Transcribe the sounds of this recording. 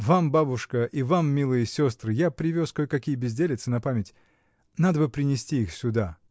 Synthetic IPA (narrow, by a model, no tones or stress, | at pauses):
vambabʊʂkəʔivamːʲilˠɨjəsʲo̞st̪ɾɨjapɾʲɪvʲoskojkɐkʲijəbʲɪzʲdʲelʲɪt̪sɨnɐpamʲɪtʲ | nad̪əbɨpɾʲɪnʲɪsʲtʲiixsʲʊd̪a